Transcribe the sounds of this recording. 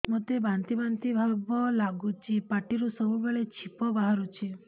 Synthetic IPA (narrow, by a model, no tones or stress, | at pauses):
mot̪ebant̪ibant̪ibʱabɔlaɡut͡ʃʰipaʈiɾusɔbubeɭet͡ʃʰipɔbaɦaɾut͡ʃʰi